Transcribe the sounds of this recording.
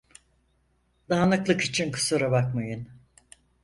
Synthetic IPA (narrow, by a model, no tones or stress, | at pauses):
d̪aːnɯklˠɯkit͡ʃʰinkʰɯ̥sɯɾabakmajɯn